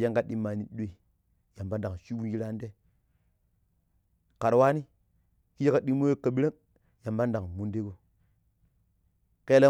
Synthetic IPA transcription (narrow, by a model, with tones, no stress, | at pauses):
ja˦ŋɡa˦ɗi˦ma˨ni˨ɗe˨ | ja˨mba˦nda˨ŋʃi˦wu˦nji˦ɾa˦nde˦ | ka˨ɾwa˦ni˦ | ki˦ja˦ka˦ɗi˦mo˦e˦kːa˨bi˦ɾe˦k | ja˨mba˦nda˨ŋmu˨nde˦ɡo˦ | ke˦la˦